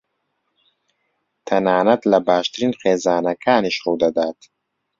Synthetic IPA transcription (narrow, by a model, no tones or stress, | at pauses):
t̪ʰɐnaːnɐt̪lɐbaːʃt̪ɾinχeːzaːnɐkʰaːniʃχowd̪ɐd̪aːt̪